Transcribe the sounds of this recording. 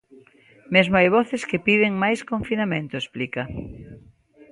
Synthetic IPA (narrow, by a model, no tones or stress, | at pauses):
mezmʊajβ̞ɔθɪskɪpiðɪŋmajskõɱfinamẽnt̪ʊesplikɐ